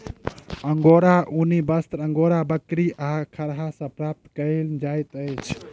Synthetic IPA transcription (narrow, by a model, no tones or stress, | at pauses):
əŋɡoɾaʔunibəst̪ɾəŋɡoɾabəkɾiʔakʰəɾɦasə̃pɾap̚t̪kəɪld͡ʒajt̪əjt͡ʃʰ